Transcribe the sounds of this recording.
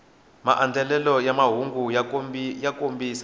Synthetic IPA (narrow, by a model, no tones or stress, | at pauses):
ma̰ʔand͡ɮʱɛlɛlɔjamaɦuŋɡu | jakombisa